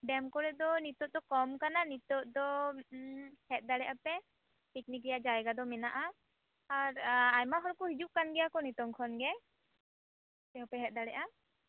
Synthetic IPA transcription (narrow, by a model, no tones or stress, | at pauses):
ɖɛmkɔɾɛd̪ɔnit̪ɔt̪̚d̪ɔkɔmkananit̪ɔt̪̚d̪ɔ | hɛt̪̚ˀd̪aɽɛʔapɛ | piknikɾɛjad͡ʒajɡad̪ɔmɛnaʔa | aɾajmaɦɔɽɔkɔɦid͡ʒuʔ̚kanɡɛjakɔnit̪ɔŋkʰɔnɡɛ | t̪ɛɦɔpɛɦɛt̪̚ˀd̪aɽɛʔa